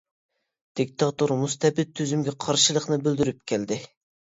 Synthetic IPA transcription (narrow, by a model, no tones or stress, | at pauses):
d̪̥ik̚ʲt̪ʰɑt̪uɾmust̪ʰɛbɪt̪̚ʰːyzymɡʲɛqʰɑɾʃɨlˠəqnɨbøld̪yɾyp̚kʲʰæld̪ɪ